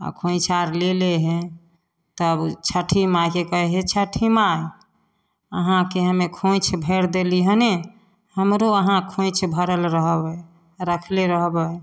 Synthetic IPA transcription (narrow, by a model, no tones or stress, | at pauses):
a̰kʰõɪ̃t͡ʃʰaɾleleɦɛ̃ | t̪əbt͡ʃʰəʈʰimakekəɦɛɦet͡ʃʰəʈʰimaj | əɦãkeɦəmekʰõjt͡ʃʰbʱeɾd̪eliɦəne | həmɾoəɦãkʰõjt͡ʃʰbʱəɾəlɾəɦbə | ɾəkʰleɾəɦbə